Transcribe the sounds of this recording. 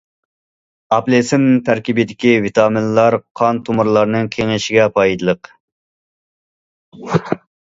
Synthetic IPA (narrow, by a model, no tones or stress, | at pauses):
ɑplesɪnt̪ʰæɾkʲibɪd̪ɪkʲivit̪ʰɑmɪnlˠɑɾqʰɑnt̪ʰumuɾlˠɑɾnɨŋkʲʰeŋɪʃɪɡʲɛpʰɑjd̪ɨlˠəq